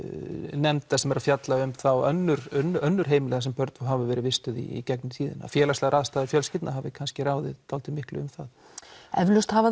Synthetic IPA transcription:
nɛmt̪θasɛmɛɾafjat̪laʏmθawœ̰nːʏɾ̥nːœnːʏɾ̥ɦeːjmɪlɛːɣasɛmpœɾt̪fuɦavɪvɛːɾɪvɪst̪ʏðḭḭcɛknʏt̪ʰiːðɪ̰na̰fjɛːlast̪ɛɣaɾaːðst̪aːðɪɾfjœlscɪt̪naɦavɪkʰanscɪɾaːwðɪ̰ðt̪aw̪t̪ɪmɪhklʏ̰ʏmθað | ɛ̰vlʏst̪hava

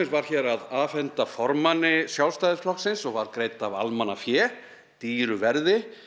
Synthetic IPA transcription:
ɪsvaɾ̥çɛɾaðaːfɛnt̪afɔɾmanːɪsjawlst̪ajðɪ̥flɔhksɪnsɔɣvaɾkɾeːjt̪ava̰lmanafjɛː | t̪iːɾʏvɛɾðɪ

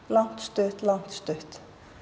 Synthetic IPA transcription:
lan̥t̪st̪œht̪lan̥t̪st̪œht̪

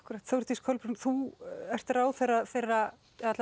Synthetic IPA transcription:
hkʏɾaht̪θowɾt̪iskʰœlpɾʏnθuɛr̥t̪ɪɾaːwθejrːaθejrːa | ɛðaɛtl

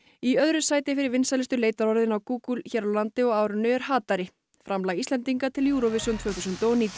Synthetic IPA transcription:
iœðɾʏsaːjt̪ɪfɪɾɪɾvɪnsalɪst̪ʏleːjt̪aɾɔɾðɪnawkuːkulçɛɾlant̪ɪɔɣaːwɾʏnːʏɛɾhaːt̪aɾɪ | fɾamlaɣist̪ɛnt̪iŋkat̪ʰɪljuːɾovɪsʏnt̪ʰvœːθusʏnt̪oniːt̪

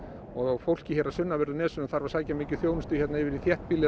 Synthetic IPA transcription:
ɔɣɣfowl̥cɪçɛːɾasʏnːavɛɾðʏnɛːsʏnaθaɾvaɾ̥saːjcamɪːcʏ̥θjownɪst̪ʏ̥çɛt̪naɪvɪɾiθjɛht̪pilːɪ

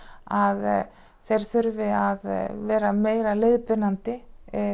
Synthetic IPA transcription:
að | θejɾ̥θʏɾvɪaðvɛːɾameːjɾaleːjðpɪnant̪ɪ

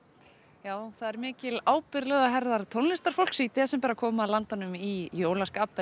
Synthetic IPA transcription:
jaːwθaðɛɾmɪːcɪlaːwpɪɾlɛɣaɦɛɾðaɾt̪ʰownlɪst̪aɾ̥folksit̪ʰɪsɛmpɛːɾakʰɔːmaːlant̪anʏmijoːwlaskaːpɛ

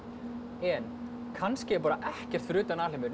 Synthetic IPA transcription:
ɛn | kʰanscɪɛɾp̬aːɾaʔɛhcɛr̥t̪fɾʏːt̪anaːlɪmʏ

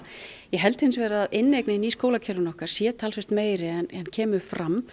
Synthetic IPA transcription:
jɛɦɛlt̪hɪns̬vɛːɾaːðɪnːejknɪiniskoːwlacʰɛɾʏnɔhkaɾ̥sjɛːt̪ʰaːlsɛst̪meːjɾɪɛnɛnːcʰɛːmʏfɾam

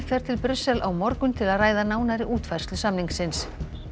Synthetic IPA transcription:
fɛɾ̥t̪ʰɪlpɾʏsːɛlʔawmɔɾkʏnt̪ʰɪlaðraːjðanaːwnaɾɪʔuːt̪vajr̥st̪lʏsamniŋksɪns

